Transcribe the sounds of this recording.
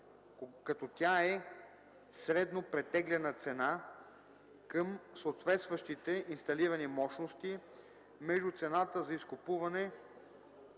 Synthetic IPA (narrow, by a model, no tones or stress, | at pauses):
kɐt̪ɔt̪ʲjaɛ | sɾɛd̪nopɾɛt̪ɛɡlʲɛnət̪sɛna | kəmsoːt̪vɛt̪st̪vəʃt̪it̪ɛʔinst̪ɐliɾənimɔʃnost̪i | mɛʒd̪ut̪sɛnat̪əzɐiskʊpuvɐnɛ